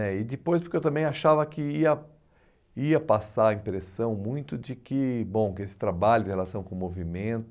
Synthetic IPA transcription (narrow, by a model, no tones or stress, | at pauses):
ɛɪd̪ɪpojspʊɾkewt̪ɐ̃mbẽj̃aʃavɐkɪiɐ | iɐpasaɐĩpɾesɐ̃w̃mũj̃t̪ʊd͡ʒɪkɪbõw̃kɪesɪ̥t̪ɾabaʎʊd̪ɪ̃helasɐ̃w̃kõmovimẽnt̪ʊ